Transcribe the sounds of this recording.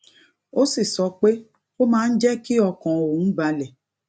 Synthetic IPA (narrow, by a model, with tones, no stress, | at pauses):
o˦si˦˨sɔ˧k͡pe˦ | o˦mãː˦n̩˦d͡ʒɛ˦ki˦ɔ˧kɔ̃˨õ˨˦ba˧lɛ˨